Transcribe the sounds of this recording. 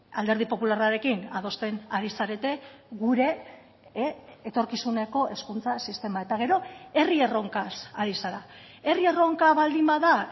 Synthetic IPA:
ald̪e̞ɾð̞ipo̞pularaɾe̞kinað̞o̞st̪e̞naɾisaɾe̞t̪e̞ɣuɾe̞ | t̪o̞ɾkisune̞ko̞ʔe̞skunt͡sasist̪e̞mae̞t̪aɣ̞e̞ɾo̞e̞rie̞ro̞ŋkasaɾisaɾa | e̞rie̞ro̞ŋkaβald̪imbaða

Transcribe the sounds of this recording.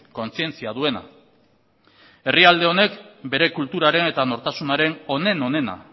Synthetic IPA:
ko̞nt͡sie̞nt͡siaðue̞na̰ | e̞riald̪e̞o̞ne̞kbe̞ɾe̞kult̪uɾaɾe̞ne̞t̪ano̞ɾt̪asunaɾe̞no̞ne̞no̞ne̞na̰

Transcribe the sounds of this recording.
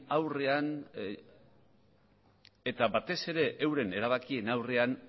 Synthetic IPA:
awre̞an | et̪aβat̪e̞se̞ɾe̞ʔːwɾe̞ne̞ɾaβ̞akie̞nawre̞an

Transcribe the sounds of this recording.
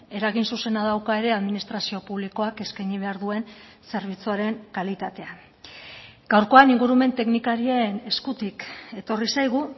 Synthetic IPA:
e̞ɾaɣinsuse̞naðawkae̞ɾe̞aðminist̪ɾasio̞puβ̞liko̞ake̞skajɲiβ̞e̞aɾðue̞n | se̞ɾβ̞it͡suaɾe̞ŋkalit̪at̪e̞an | ɡ̥awɾko̞aniŋɡuɾume̞nt̪e̞knikaɾie̞ne̞skut̪ike̞t̪o̞risajɣ̞u

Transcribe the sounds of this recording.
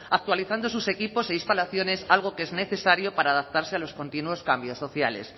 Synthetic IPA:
ak̚t̪waliθand̪o̞s̬use̞kipo̞seist̪alaθjone̞salɣ̞o̞keezne̞θe̞saɾjo̞paɾaːðap̚t̪aɾse̞alo̞sko̞nt̪inuwo̞skambjo̞sːo̞θjale̞̰s

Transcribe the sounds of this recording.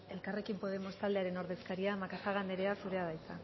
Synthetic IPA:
e̞lkare̞kimpo̞ð̞e̞mo̞st̪ald̪e̞aɾe̞no̞ɾðe̞skaɾiamakasaɣ̞and̪eɾe̞asuɾe̞aðajt͡s̪a

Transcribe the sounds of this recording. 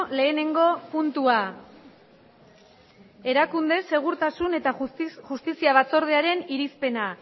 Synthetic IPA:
le̞ːne̞ŋɡo̞punt̪ua | e̞ɾakund̪e̞sːe̞ɣ̞uɾt̪asune̞t̪aʝust̪isiaβat͡so̞ɾð̞eaɾe̞niɾispe̞na

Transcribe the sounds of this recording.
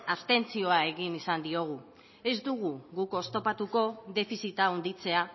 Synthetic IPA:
ast̪e̞nt͡sio̞ae̞ɣinisand̪io̞ɣ̞u | e̞zd̪uɣ̞uɣuko̞st̪o̞pat̪uko̞ðe̞fisit̪aund̪it͡se̞a

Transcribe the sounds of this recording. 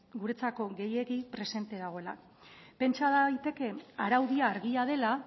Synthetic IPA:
ɡuɾe̞t͡sako̞ɣe̞je̞ɣipɾe̞se̞nt̪e̞ðaɣo̞ela̰ | pe̞nt͡ʃaðajt̪e̞ke̞aɾawðiaːɾɣiaðe̞la

